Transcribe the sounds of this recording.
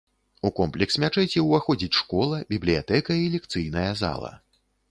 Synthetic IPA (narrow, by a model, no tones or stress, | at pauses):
ukɔmplʲɛksmʲat͡ʂɛjt͡sʲɛwvaxɔd͡zʲit͡sʲʂkɔlˠɐbʲiblʲijat̪ɛkɐilʲɛk̚t̪sɨjnɐjɐza̰lˠɐ̰